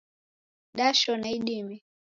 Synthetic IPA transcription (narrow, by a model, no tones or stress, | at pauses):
ɗaʃɔnaiɗimi